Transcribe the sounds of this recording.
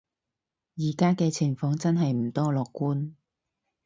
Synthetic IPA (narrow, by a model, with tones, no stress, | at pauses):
jiː˨˩kaː˥kɛː˧t͡sʰɪ˨˩ŋfɔː˨˧ŋt͡sɐ˥nɦɐ˨jm̩˨˩t̪ɔː˥lɔː˨kːuː˥n